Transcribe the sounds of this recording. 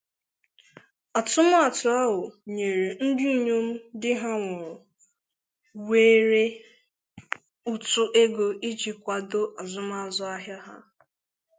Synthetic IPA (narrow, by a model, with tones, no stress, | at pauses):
a˨tʊ˦m˦a˨tʊ˨a˦ɦʊ˨ɲe˨ɾe˨n̩˦dɪ˦u˨ɲo˦m̩˦dɪ˦ɦa˦ŋʷʊ˨ɾʊ˨ | weː˦ɾe˦ | ʊ˨tʊ˦ʔe˦ɡo˨ʔi˦d͡ʒi˨kʷa˨do˦ʔa˨zʊ˦m˦a˦a˨zɔ˦a˦ɦja˦ɦa̰˦